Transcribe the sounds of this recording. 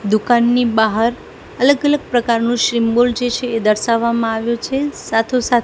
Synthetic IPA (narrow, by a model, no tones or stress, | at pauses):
d̪ukanːibaɦəɾ | ələɡələɡ̚pɾəkaɾnũʃɾimbold͡ʒet͡ʃʰeːd̪əɾʃaʋːamãaʋjõt͡ʃʰesat̪ʰosat̪